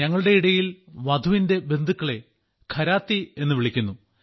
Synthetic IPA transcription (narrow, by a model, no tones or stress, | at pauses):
ɐŋːɐɭuɽe̞iɽɐjilʋɐd̪ʱuʋinde̞be̞nd̪ʱukːɐɭe̞ | kʰɐɾaːt̪ːie̞nːɨʋiɭikʲːunːu